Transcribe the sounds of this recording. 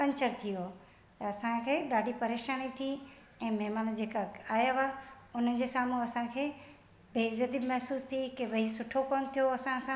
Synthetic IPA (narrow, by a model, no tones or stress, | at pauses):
pɐ̃ɲt͡ɕəɾt̪ʰijo | t̪ɐɐsãkʰeːɗaːɖʱipɐɾeːʃaːnit̪ʰi | ɛ̃ːmɛɦmaːnd͡ʑeːkaaːjaʋaː | ʊn̤ən̆d͡ʑeːsaːmuɐsãkʰeː | beːzɐd̪imɐɦsuːst̪ʰikeʋɐisʊʈʰokoːnt̪ʰijoɐsãsã